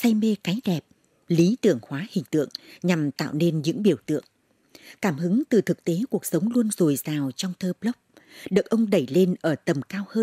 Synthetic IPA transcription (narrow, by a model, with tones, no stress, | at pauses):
sa˧jme˧kaː˨˦jɗɛ˨˩p̚ | li˨˦t̪ɨ˧˩əŋhwaː˨˦hï˨˩ŋ̟t̪ɨ̰˧˨əŋɲa˨˩mt̪a̰ː˧˨wne˧nɲɨ̰˧˥ŋɓi˧˩əwt̪ɨ̰˧˨əŋ | kaː˧˩mhɨ˨˦ŋt̪ɨ˨˩t̪ʰɨ˨˩k̚t̪e˨˦ku˨˩ək̚sə˨˦wŋ͡mlu˧ənzo˨˩jzaː˨˩wt͡ɕɔ˧wŋ͡mt̪ʰəː˧plə˦˥p̚ | ɗɨ˨˩ək̚ʔə˧wŋ͡mɗə˧˩jle˧nʔəː˧˩t̪ə˨˩mkaː˧whəː˧